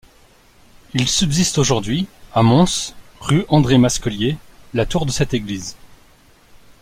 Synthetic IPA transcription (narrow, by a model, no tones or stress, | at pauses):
ilsybzist̪oʒuʁd̪ɥiamɔ̃sʁyʔɑ̃d̪ʁemaskɔljelat̪uʁd̪əsɛt̪eɡliz